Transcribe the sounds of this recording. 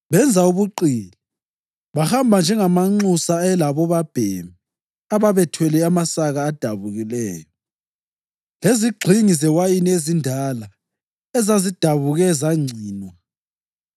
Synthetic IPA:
βɛnd͡zʱauβuǃiːli | βahambʱand͡ʒʱɛŋamaŋ͡ǀusaɛlaβɔβab̥ʱḛmi | aβaβɛtʰwɛlɛamasaɣaːd̥ʱaβuɣilɛːjɔ | leziɡ͡ǀʱiŋizɛwajinezindʱala | ɛzazid̥ʱaβuɣɛzaŋ͡ǀʱiːnwa

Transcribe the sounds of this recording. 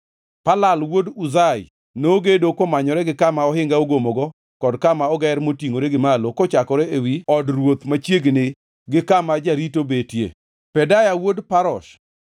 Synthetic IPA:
palalwoduzaj | noɡedokomaɲɔɾɛɡɪkamaɔɦɪŋɡaoɡomoɡɔ | kɔdkamaɔɡɛɾmotiŋoɾɛɡɪmalokɔt͡ʃakɔɾɛewiɔdɾwot̪mat͡ʃjeɡnɪ | ɡɪkamad͡ʒaɾitobetjḛ | pɛdajawodpaɾɔ̰ʃ

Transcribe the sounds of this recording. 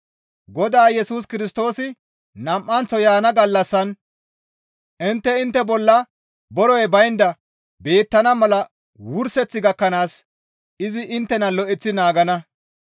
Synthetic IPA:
ɡɔd̪aːjɛsuːs̬kɪɾɪs̬t̪o̞ːsɪ | nɐmʔːɐnt͡sːɔjaːnɐɡɐlːɐsːɐn | ʔɪnt̪ːɛɪnt̪ːɛbɔlːɐ | bɔɾɔjbɐjnd̪ɐ | be̞ːt̪ːɐnɐmɐlɐ | wʊɾsɛt͡sːɪɡɐkːɐnaːs | ɪzɪʔɪnt̪ːɛnɐlɔʔɛt͡sːɪnaːɡɐnɐ

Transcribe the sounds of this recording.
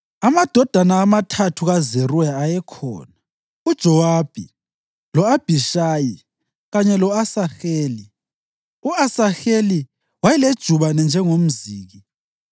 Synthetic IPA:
amad̥ʱɔd̥ʱanaːmatʰatʰuɣazerujaːjɛkʰɔ̰ːna | ud̥ʒ̥ʱɔwab̥ʱi | lɔab̥ʱiʃaːji | ɣaɲɛlɔasaxeːli | uasaxeli | wajɛled̥ʒ̥ʱuβanɛnd͡ʒʱɛŋom̩ziːɣi

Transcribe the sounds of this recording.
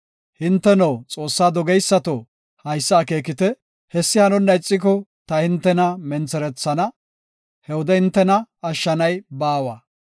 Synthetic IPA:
hɪnt̪ːɛnɐwt͡sʼo̞ːsːaːd̪ɔɡɛjsːɐt̪o | hɐjsːɐːke̞ːkɪt̪ɛ | hɛsːɪhɐnɔnːɐɪt͡sʼːɪk̬ɔt̪ɐhɪnt̪ːɛnɐmɛnt͡sːɛɾɛt͡sːɐnɐ | hɛwɔd̪ɛhɪnt̪ːɛnɐɐʃːɐnɐjbaːwaː

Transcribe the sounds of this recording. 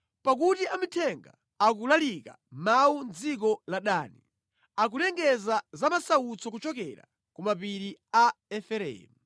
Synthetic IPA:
pak̬utiamitʰɛŋɡa̰ː | k̬ulalika̰ | mawund͡zik̬ɔlaɗaːni | ak̬ulɛŋɡɛzazamasaut͡sɔkut͡ʃɔk̬ɛ̰ɾa̰ | kumapiɾiaɛfɛɾɛ̰ːmu

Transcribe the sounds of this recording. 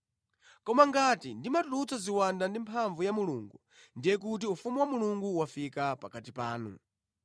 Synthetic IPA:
kɔmaŋɡatindimatulut͡sɔziwandandimpʰaɱvujamuluːŋɡu | ndijɛk̬ut̬iufumuwamuluŋɡuwafikapakatipaːnṵ

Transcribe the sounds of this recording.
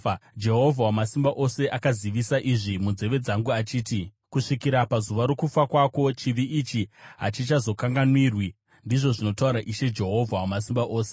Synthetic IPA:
d͡ʒe̞ɦo̞vʱawamasimbaʔo̞se̞ʔakaziʋisaʔiʐimunze̞ʋe̞d͡zaŋɡuat͡ʃiːti | kuʂikiɾapazuʋaɾokufakwako̞t͡ʃiʋiʔit͡ʃiɦa̰t͡ʃit͡ʃazo̞kaŋɡanwirwi | ndiʐo̞ʐino̞tauɾaʔiʃe̞d͡ʒe̞ɦo̞vʱawamas̬imbaʔo̞ːse̞

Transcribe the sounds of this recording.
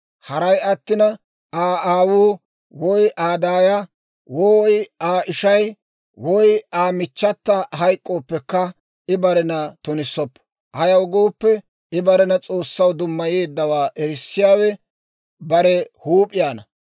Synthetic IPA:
hɐɾɐjɐt̪ːɪnɐ | aːaːwuː | wɔjʔaːd̪aːjɐ | wɔjaːʔɪʃɐj | wɔjaːmɪt͡ʃːɐt̪ːɐɦɐjkʼːo̞ːpːɛkːɐ | ɪbɐɾɛnɐt̪ɔnɪsːɔpː | ʔɐjɐwɡoːpːɛ | ɪbɐɾɛnɐt͡sʼo̞ːsːɐwd̪ʊmːɐjeːd̪ːɐwaːʔɛɾɪsːɪjaːwɛ | bɐɾɛhuːpʼɪjaːnɐ

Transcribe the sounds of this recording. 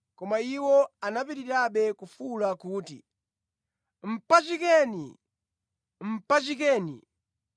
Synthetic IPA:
kɔmaiwɔanapitiɾaɓɛkufulakuːtḭ | m̩pat͡ʃikɛːnḭ | m̩pat͡ʃikɛːnḭ

